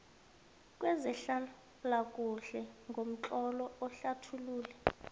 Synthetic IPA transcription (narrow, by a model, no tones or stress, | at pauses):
k̬ʼwɛzɛɬa | lakʼuɬɛŋɡʱom̩t͡ɬʼɔlɔɔɬatʰuluːlɛ